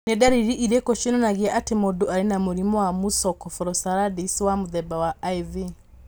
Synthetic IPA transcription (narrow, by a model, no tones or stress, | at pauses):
nɛdaɾiɾiʔiɾɛkɔʃinɔnaɣiaʔatemɔduaɾenamuɾimɔwamusɔkɔfɔɾɔsaɾadiswamuðɛbawaajði